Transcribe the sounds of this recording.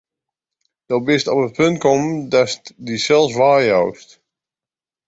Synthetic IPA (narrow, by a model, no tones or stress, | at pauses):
d̥ɔlˠbɪstɔpət̚pʰɵnt̚kɔmdɑstdisɛlˠsʋaːɹjɔwst